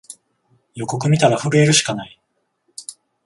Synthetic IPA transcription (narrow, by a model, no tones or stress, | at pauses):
jo̞ko̞k̬ɯ̟mʲit̪aɾaɸɯ̟ɾɯ̟e̞ɾɯ̟ɕi̥kanai